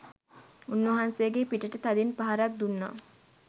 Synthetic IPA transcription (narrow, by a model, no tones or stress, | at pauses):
unːʋɐɦansejəɡepiʈəʈət̪ad̪inpaɦaɾak̚d̪unːa̰